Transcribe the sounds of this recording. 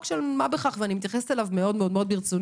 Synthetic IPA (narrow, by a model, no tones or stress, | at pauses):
kʃelmabeχaχveanimit̪jaχest̪elavmeo̞d̪meo̞d̪meo̞d̪biʁt͡sun